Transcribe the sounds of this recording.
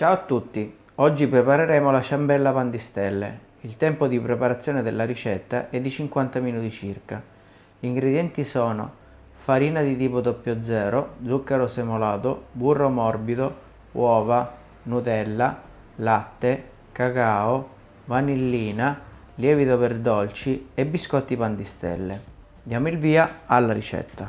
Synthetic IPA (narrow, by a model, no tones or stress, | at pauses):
t͡ʃaːoat̪ːut̪ːi | ɔd͡ʒːipɾepaɾeɾɛːmolaʃambɛlːapand̪ist̪ɛlːḛ | ilt̪ɛmpod̪ipɾepaɾat̪sːjɔːned̪elːaɾit͡ʃɛt̪ːa̰ʔɛd̪ːit͡ʃiŋkwant̪aminuːt̪it͡ʃirka | iŋɡɾed̪jɛnt̪isɔːno̰ | faɾiːnad̪it̪iːpod̪ɔpːjod̪zːɛːɾod̪zːukːaɾosemolaːt̪oburːomɔrbid̪o | wʔɔːva | nut̪ɛlːa | lat̪ːe | kakaːo | vanilːiːna | ljɛːvit̪operd̪ɔlt͡ʃiebːiskɔt̪ːipand̪ist̪ɛ̰lːe | d̪jaːmilviːaalːaɾit͡ʃɛ̰t̪ːa